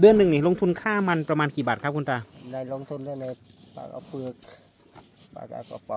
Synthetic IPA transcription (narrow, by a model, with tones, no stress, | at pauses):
dɯ˧ənːɯ˨˩ŋniː˧˥˩lo˧ŋt̪ʰu˧nkʰaː˥˩ma˧npɾa˧maː˧nkiː˨˩baː˨˩t̪̚kʰpkʰu˧nt͡ɕ̪a˧˩na˧jlo˧ŋt̪ʰu˧ndɯ˧əna˧j | pa̰ː˧˩kʔa̰˧˩pʰɯ˧˩ək̚ | pa̰ː˧˩ka̰˧˩kɔ̰˧˩pɔ˧˩